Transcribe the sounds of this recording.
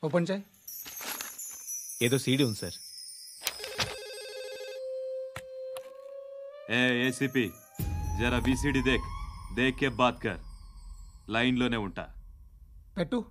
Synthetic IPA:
opɐnt͡ʃaj | eːd̪oːsiːɽiunisɐɾ | eːeːsipi | d͡ʒɐɾabisiɽid̪eːkʰd̪eːkːebːaːt̪̚kɐ̰ɾ | lɐjnloːneːuɳʈa̰ː | peʈːu

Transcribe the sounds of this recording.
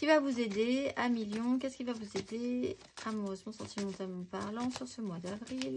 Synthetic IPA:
kʲivavuzed̪eamiljɔ̃k̬ʲɛskʲilvavuzed̪e | amuʁøzmɑ̃sɑ̃t̪imɑ̃t̪amɑ̃paʁlɑ̃syʁsəmwad̪avʁil

